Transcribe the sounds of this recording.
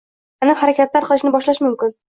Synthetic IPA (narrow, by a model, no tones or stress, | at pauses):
anɪhaɾakʲat̪laɾqɨlˠɪʃnɪbɒʃlaʃmʊmkʲɪn